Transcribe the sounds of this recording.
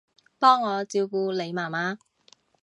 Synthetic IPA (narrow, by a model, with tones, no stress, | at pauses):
pɔː˥ŋːɔː˨˧t͡siː˨˧wkuː˧le˨˧jmaː˨˩maː˨˧